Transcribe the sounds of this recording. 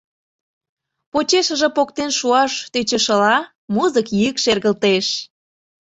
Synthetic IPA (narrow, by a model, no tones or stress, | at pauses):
pot͡ɕeʃə̆ʒĕpokt̪enʃuɑʃt̪et͡ɕə̆ʃəlɑ | muzəkjikʃerɣəlt̪eʃ